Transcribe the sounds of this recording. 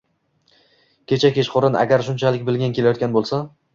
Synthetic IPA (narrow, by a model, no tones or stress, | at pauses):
kʲʰe̞t͡ʃʰakʲeʃqoɾɪna̰ɡʲaɾʃʊnt͡ʃʰalɪkʲbɪlɡʲankʲʰe̞lajɒt̪kʲanbolˠsa